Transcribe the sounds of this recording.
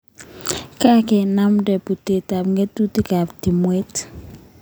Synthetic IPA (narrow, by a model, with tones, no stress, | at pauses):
ka˦kɛ˨na˦mdɛ˨pu˨te˨ta˨pŋɡe˦tu˦ti˦ka˨pti˨mwe˦t